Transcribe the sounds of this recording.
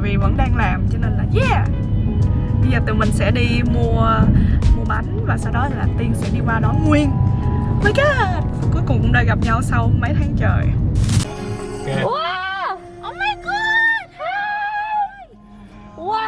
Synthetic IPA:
vi˨˩və̰˧˥nɗaː˧ŋlaː˨˩mt͡ɕɔ˧ne˧nlaː˨˩zɛ˧˥˩ | ɓə˧jzəː˨˩t̪ɨ˨˩mï˨˩ŋ̟sɛ̰˧˥ɗi˧mu˧ə | mu˧əɓa˨˦nvaː˨˩saː˧wɗɔ˨˦˧laː˨˩t̪i˧ənsɛ̰˧˥ɗi˧kwaː˧ɗɔ˨˦ŋwi˧ənməː˨˦jka˨˦ku˨˦əjkʊ̰˨˩ŋ͡mkɗəː˧˩jɣa˨˩p̚ɲa˧wsa˧wmə˨˦jt̪ʰa˨˦ŋt͡ɕəː˨˩j | k

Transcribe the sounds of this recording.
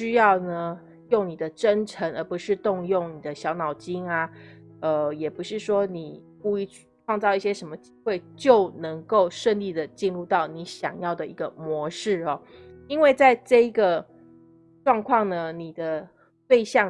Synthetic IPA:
ɕy˥jɑ˥˩ʊnə˩ | jo˥˩ŋni˨˩d̪ə˦ʈ͡ʂə˥nʈ͡ʂʰə˧˥ŋə˞˧˥pu˧˥ʂɻ̩˥˧t̪ʊ˥˧ŋjo˥˩ŋni˨˩d̪ə˦ɕjɑ˧˥ʊnɑ˨˩ʊt͡ɕi˥ŋa˧ | ə˧jɛ˨˩pu˧˥ʂɻ̩˥˩ʂwɔ˥ni˨˩ | ku˥˧i˥˧˥ʈ͡ʂʰwɑ˥˧ŋt͡sɑ˥˧ʊi˥˩ɕjɛ˥ʂə˧˥nmə˨t͡ɕi˥xwe˥˩ɪt͡ɕjo˥˩ʊnə˧˥ŋko˥˩ʊʂə˥˧nli˥˩d̪ə˩t͡ɕi˥˧nɻu˥˧t̪ɑ˥˩ʊni˧˥ɕjɑ̰˨˩ŋjɑ˥˩ʊd̪ə˩i˧˥ɡə˧mwɔ˧˥ʂɻ̩˥˩ɔ˨˩ | i˥nwe˥˧ɪt͡sa˥˧ɪʈ͡ʂɤ˥˩i˧˥ɡə˨ | ʈ͡ʂwɑ˥˧ŋkʰwɑ˥˩ŋnə˩ni˨˩d̪ə˦ | pe˥˧ɪɕjɑ˥˩

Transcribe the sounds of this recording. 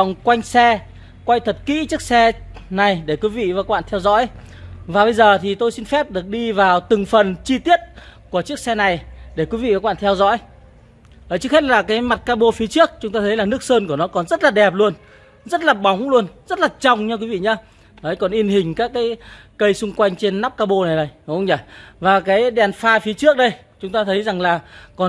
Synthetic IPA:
wŋ͡mkwa˧jŋ̟sɛ˧ | kwa˧jt̪ʰə˨˩t̚kḭ˧˥t͡ɕɨ˦˥ək̚sɛ˧na˨˩jɗe˧˩kwi˨˦vḭ˧˨vaː˨˩wkɓa̰ː˧˨nt̪ʰɛ˧wzɔ̰˧˥jvaː˨˩ɓə˧jzəː˨˩t̪ʰi˨˩t̪o˧jsi˧nfɛ˦˥p̚ɗɨ˨˩ək̚ɗi˧vaː˨˩wt̪ɨ˨˩ŋfə˨˩nt͡ɕi˧t̪i˦˥ət̚ku˧˩ət͡ɕɨ˦˥ək̚sɛ˧na˨˩jɗe˧˩kwi˨˦vḭ˧˨vaː˧˩wɓa̰ː˧˨nt̪ʰɛ˧wzɔ̰˧˥j | ʔəː˨˩t͡ɕɨ˦˥k̚he˦˥t̚laː˨˩kaː˨˦jma˨˩t̚kaː˧ɓo˧fi˨˦ət͡ɕɨ˦˥ək̚t͡ɕʊ˨˦ŋ͡mt̪aː˧t̪ʰə˨˦jlaː˨˩nɨ˦˥ək̚səː˧nku˧˩ənɔ˨˦kɔ˨˩nzə˦˥t̚laː˨˩ɗɛ˨˩p̚lu˧ən | zə˦˥t̚laː˨˩ɓa˨˦wŋ͡mŋlu˧ənzə˦˥t̚laː˨˩t͡ɕɔ˧˩wŋ͡mɲa˧kwi˨˦vḭ˧˨ɲə˨˦ | nəː˨˦jkɔ˨˩nʔi˧ənhï˨˩ŋ̟kaː˦˥kːaː˨˦jkə˧jsʊ˧ŋ͡mkwa˧jŋ̟t͡ɕe˧nːaː˦˥p̚kaː˧ɓo˧na˨˩jɗə˨˩jŋ͡mzə˨˩vaː˨˩kaː˨˦jɗɛ˨˩nfaː˧fi˨˦t͡ɕɨ˦˥ək̚ɗə˧j | t͡ɕʊ˨˦ŋ͡mt̪aː˧t̪ʰə˨˦jza˨˩ŋlaː˨˩kɔ˨˩n

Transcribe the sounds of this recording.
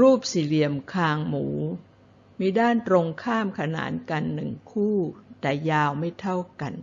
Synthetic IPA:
ɾuː˥˩p̚si˨˩˦li˧˩əmkʰaː˧ŋmuː˩˦ | miː˧daː˥˩nt̪ɾo˧ŋkʰaː˥˩mkʰa˧na̰ː˩˦nka˧nːɯ˨˩ŋkʰuː˥˩t̪ɛː˨˩jaː˧wma˥˩jt̪ʰa˥˩wka˧n

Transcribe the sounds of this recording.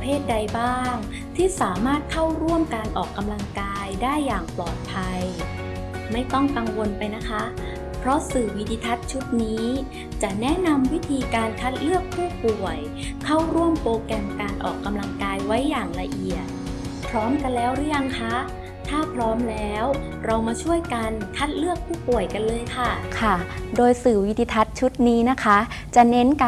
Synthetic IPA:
pʰeː˥˩t̪̚da˧jbaː˥˩˥ŋ | t̪ʰiː˥˩saː˩˦maː˥˩t̪̚kʰa˥˩wɾu˥˩əmkaː˧nʔɔː˨˩kːa˧mla˧ŋkaː˧jdaː˥˩jːaː˨˩ŋplɔː˨˩t̪̚pʰa˧j | ma˥˩jt̪ɔ˥˩ŋka˧ŋwo˧npa˧jna˦˥kʰa˦˥ | pʰɾɔ˦˥sɯː˨˩wi˧d̪iː˧t̪ʰa˦˥t̪̚t͡ɕʰu˦˥t̪̚niː˦˥ | t͡ɕa˨˩nɛ˦˥na˧mwi˦˥t̪ʰiː˧kaː˧nkʰa˦˥t̪̚lɯ˥˩ək̚pʰːuː˥˩pu˨˩əj | kʰa˥˩wɾu˥˩əmpoː˧kɛ˧mkaː˧nʔɔ̰ː˨˩kːa˧mla˧ŋkaː˧jwa˦˥jːaː˨˩ŋla˧ʔi˨˩ət̪̚pʰɾɔː˦˥mka˧nlɛː˦˥wdɯ˦˥əja˧ŋkʰa˦˥ | t̪ʰaː˥˩pʰɾɔː˦˥mlɛː˦˥w | ɾa˧wmaː˧t͡ɕʰu˥˩əjka˧nkʰa˦˥t̪̚lɯ˥˩ək̚pʰuː˥˩pu˨˩əjka˧nlɤː˧jkʰa˥˩kʰa˥˩doː˧jsɯː˨˩wi˦˥t̪ʰiː˧t̪ʰa˦˥t̪̚t͡ɕʰu˦˥t̪̚niː˦˥na˦˥kʰa˦˥ | t͡ɕa˨˩ne˦˥nka˧

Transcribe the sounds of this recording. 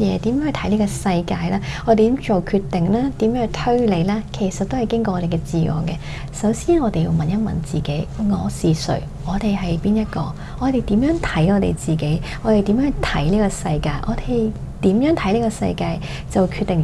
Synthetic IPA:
jɛː˨˧t̪iː˨˥mjːŋhɵ˨˧t̪ʰjliː˥kɔ˧sɐ˧jkaː˧jlaː˥ɔː˨˧t̪e˨˩t̪iː˨˥mt͡so˨wkʰyː˧t̪ːɪ˨˩ŋlaː˥t̪iː˨˥mjœː˧˥t̪ʰɵ˥ɥle˨˧jlaː˥kʰe˨˩jsɐ˨t̪ːo˥whjkɪ˥ŋk̬ɔː˧ɔː˧te˨˩kɛ˧t͡siː˨ŋɔ̰ː˨ŋkɛ˧ | sɐ˨˥wsiː˥nɔː˨˧t̪e˨jḭ˧wmɐ˨njɐ˥t̚mɐ̰˨˥nt͡siː˨ke˨˥jŋɔː˨˧siː˨sɵ̰˨˩ɥ | ŋɔː˨˧t̪e˨jɦɐ˨jpiː˥njɐ˥t̚kɔ̰ː˧ | ŋɔː˨˧t̪e˨jt̪iː˨˥mjœː˨˥ŋt̪ʰɐ˨˥jɔː˨˧t̪ḛ˨jt͡siː˨ke˨˥j | ɔː˨˧e˨jt̪iː˨˥mjœː˨˥t̪ʰɐ˨˥jliː˥kɔː˧sɐ˧jka̰ː˧jʔɔ̰ː˨˧t̪e˨j | t̪iː˨˥mjœː˨˥ŋt̪ʰɐ˨˥jliː˥kɔ˧sɐ̰˧jkaː˧j | t͡sɐ˨˩wkʰyː˧t̪ːɪ˨ŋ

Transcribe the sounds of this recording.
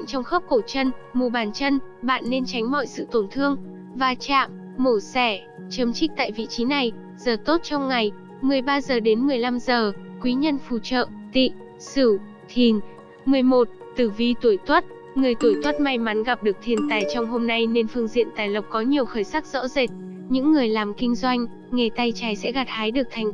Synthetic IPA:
ŋ̟t͡ɕɔ˧wŋ͡mxəː˦˥p̚ko˧˩t͡ɕə˧nmu˨˧˩ɓaː˨˩nt͡ɕə˧nɓa̰ː˧˨nːe˧nt͡ɕa˨˦jŋ̟mɔ̰˧˨jsɨ̰˧˨t̪o˧˩nt̪ʰɨ˧əŋ | vaː˨˩t͡ɕa̰ː˧˨mː | o˧˩sɛ˧˩ | t͡ɕə˨˦mt͡ɕï˦˥t̪a̰ː˧˨jvḭ˧˨t͡ɕi˨˦na˨˩j | zəː˨˩t̪o˦˥t̚t͡ɕɔ˧wŋ͡mŋa˨˩j | mɨ˨˩əjɓaː˧zəː˨˩ɗe˨˦nmɨ˨˩əjla˧mzəː˨˩kwi˨˦ɲə˧nfu˧˩t͡ɕə̰ː˧˨t̪ḭ˧˨ | sɨ˧˩ | t̪ʰi˨˩ən | mɨ˨˩əjmo˨˩t̚t̪ɨ˨˧˩vi˧t̪u˧˩jt̪wə˦˥t̚ | ŋɨ˨˩əjt̪u˧˩jt̪wə˦˥t̚ma˧jma˨˦nɣa˨˩p̚ɗɨ˨˩ək̚t̪ʰi˨˩ənt̪aː˨˩jt͡ɕɔ˧wŋ͡mɦo˧mna˧jne˧nfɨ˧əŋzḭ˧˨ənt̪aː˨˩jlə˨˩wk͡p̚kɔ˨˦ɲi˨˩əwxəː˧˩jsaː˦˥k̚z̥ɔ̰˧˥ze˨˩t̚ | ɲɨ̰˧˥ŋːɨ˨˩əjlaː˨˩mkï˧ŋ̟zwa˧jŋ̟ | ŋe˨˩t̪a˧jt͡ɕaː˨˩jsɛ̰˧˥ɣa˨˩t̚haː˨˦jɗɨ˨˩ək̚t̪ʰa˨˩jŋ̟

